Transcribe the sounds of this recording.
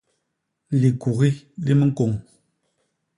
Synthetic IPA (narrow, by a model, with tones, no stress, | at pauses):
li˨ku˨ɣi˦li˦mə˦ko˨ŋ